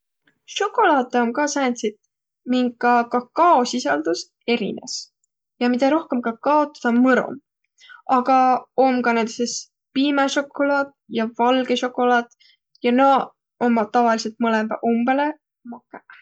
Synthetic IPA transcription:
ʃo̞kːˑo̞lɑːt̪ˑːeomkɑːsæːnsit̪ | miŋɡkɑkɑkɑːsisɑld̪us | e̞ɾḭnḛs | jɑmid̪ɑɾo̞hkemkɑkɑot̪ːˑɑ̥d̪̥ɑmɤɾo̰m | ɑɡ̥ɑomkɑnɑd̪ises | piːmeʃo̞kːo̞lɑːd̪̥ | jɑvɑlɡe̞ʃo̞kːˑo̞lɑːd̪̥ | jɑnɑ | omɑt̪ɑvɑlise̞lt̪̚mɤlembɑ̰ʔumb̥ele | mɑkːˑæ

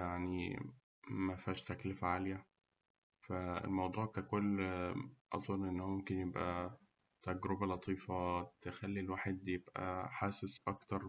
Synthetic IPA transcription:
jaʕni | mæfæːʃt̪æklefʕaljæ | fæḛlmɑwd̪ˤuːʕkækolː | ʔɑ̰zˤonːʔenːhomomkenjebʔæ | t̪æɡɾebælɑt̪ˤiːfɑt̪exælːilwaːħed̪jeb̥ʔæ̰ħaːsesʔɑkt̪ɑɾˤ

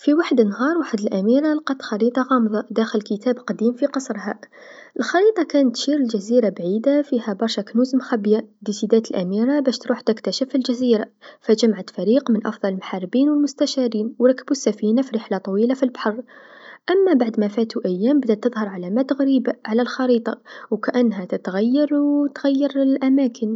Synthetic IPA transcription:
fiwaħəd̪ənːɦɑɾˤwaħəd̪əlʔæmiɾalqɑt̪xɑɾit̪ˤɑɣɑmðˤɑd̪æxəlkət̪æbqɑd̪imfiqɑsˤɾɦæ̰ | ʔəlxɑɾit̪ˤɑkænət̪ːʃiɾəlʒæziɾabʕid̪afihæbɑɾˤʃæknuzmxæbjad̪isid̪æt̪əlʔæmiɾabæʃt̪ɾuħt̪əkt̪æʃəfilʒæziɾafæʒæmʕat̪fæɾiqmənʔɑ̰fd̪ˤɑləlmħɑrˤːbiːnwəlmʊst̪æʃɑɾiːnwɾˤɑkːəbusːæfinafiɾəħlat̪ˤɑwilafilbħɑrˤʔæmːæbaʕd̪mæfæt̪uʔæjːæmbəd̪æt̪ːəðˤhɑɾˤʕalæmæt̪əɣɾibaʕalælxɑɾit̪ˤɑwkæʔænːɦæt̪ət̪ɣæjːɑɾˤwt̪ɣæjːɑɾˤlʔæmækʰən

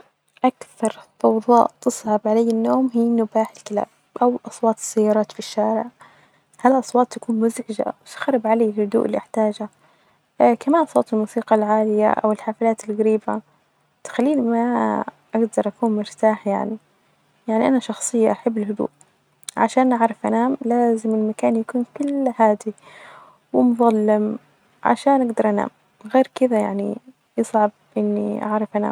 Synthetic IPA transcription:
ʔakθɑɾˤtɑwðˤɑ̰ːʔt̪ɨsˤʕɑbʕalajːɪnːoːmɦiːnʊbaːħɪlkɪla̰ːb̥̚ʔawʔɑsˤwɑːt̪ˤɪ̥sːajːɑːɾˤɑːt̪fiʃːaːɾɪʕ | halʔɑsˤwɑːt̪ˤːakuːnmʊzʕɪd͡ʒa̰wɪsḁxɾɪbʕalaːɪlhʊd̪ṵːʔɪlːiʔaħt̪aːd͡ʒa | kamaːnsˤɑːt̪ˤɪlmuːsiːqɑlʕaːlɪja̰ʔa̰wɪlħaːfɪlaːt̪ɪlɣaɾiːba | t̪ḁxalːiːnima | ʔaɡd̪ɑɾˤʔakuːnmɪɾt̪aːħja̰ʕni | jaʕniʔanaʃɑxsˤɨjːaʔaħabːɪlɦʊd̪ṵːʔ | ʕa̰ʃaːnʔaʕɾˤɪfʔanaːmlaːzɪmɪlmakaːnjakuːnkʊlːhaːd̪i | wɪmʊðˤɑlːɪm | ʕa̰ʃaːnʔaɡd̪ɑɾˤʔana̰ːm | ɣeːɾkɪðajaʕnḭ | jɨsˤʕɑb̚ʔɪnːḭʔa̰ʕɾˤɪfʔana̰ːm

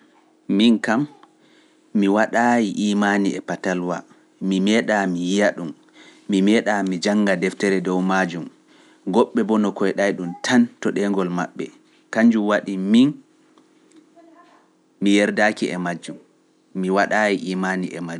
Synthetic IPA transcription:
minkamː | iwaɗajiʔiːmaniɛpatalwa̰ | mimɛɗamijijaɗumː | imɛɗamid͡ʒaŋːɡadɛftɛɾɛdɔwmad͡ʒum | ɡɔɓːɛbɔnɔkɔjɗajɗumtʰantɔɗɛŋɡɔlma̰ɓːɛ̰ | kaɲd͡ʒumwaɗimin | mijɛɾdakiɛmad͡ʒumː | iwaɗajiʔiːmaniʔɛ̰ma

